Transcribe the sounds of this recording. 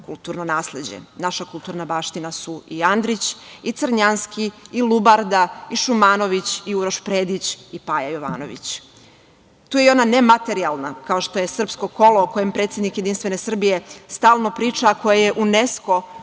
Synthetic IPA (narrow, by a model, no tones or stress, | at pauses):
kulˠt̪uːɾnonaːslˠe̞d͡ʑḛnaʃakulˠt̪uːɾnabaːʃt̪inasuiand̪ɾit͡ɕit̪sr̩ɲanskiilˠubaɾd̪aiʃumaːno̞ʋit͡ɕiuɾoʃpɾeːd̪it͡ɕipajajoʋa̰ːno̰ʋḭt͡ɕ | t̪uːjeo̞nane̞mat̪e̞ɾialˠnakao̞ʃt̪oje̞sr̩psko̞ko̞loko̞jempɾe̞t̪sje̞d̪nikjed̪inst̪ʋe̞ne̞sr̩bije̞st̪aːlˠno̞pɾiːt͡ʂako̞jaje̞ʔunesko̞